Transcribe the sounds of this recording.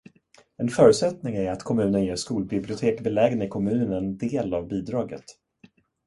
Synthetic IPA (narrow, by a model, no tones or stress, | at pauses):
ɛnfœːɾɵt̪sɛt̪nɪŋæɾat̪kʰɔmʉ̟ːnənjeːʂkuːlbɪblɪʊt̪ʰeːkbɛlɛːɡənɪkʰɔmʉ̟ːnnɛnd̪eːlavbiːd̪ɾɑːɡə̰t̪